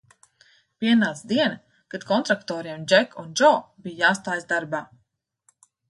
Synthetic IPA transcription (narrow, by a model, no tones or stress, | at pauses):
piɛnaːsd̪iɛn | kad̪̥kɔnt̪ɾakt̪ɔːɾiɛmd͡ʒɛkʰund͡ʒɔːbijjaːst̪aːjzd̪aɾbaː